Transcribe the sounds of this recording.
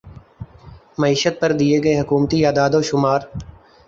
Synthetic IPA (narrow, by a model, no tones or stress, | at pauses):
mɐiːʃət̪̚pɐɾd̪ieɡɐeɦɐkuːmt̪iaːd̪aːd̪oʃʊmaːɾ